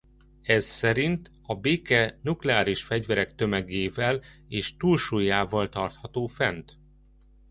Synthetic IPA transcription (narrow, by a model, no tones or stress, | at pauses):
ɛzsɛɾint̪ | ɒbeːkɛnuklɛaːɾiʃfɛɟvɛɾɛk̚t̪ømɛɡeːvɛleːʃt̪uːlʃujːaːvɒlt̪ɒrt̪hɒt̪oːfɛnt̪